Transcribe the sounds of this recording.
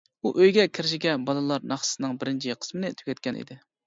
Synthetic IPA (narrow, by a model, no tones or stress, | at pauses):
uʔøjɡʲɛkʲʰɪɾɪʃ̬ɪɡʲɛbɑlˠɨlˠɑɾnɑχsɨ̥sɨnɨŋbɪɾɪnt͡ʃʰiqʰə̥smɪnɪt̪ʰy̥kʲɛt̪̚kʲɛnʔḭd̪ɪ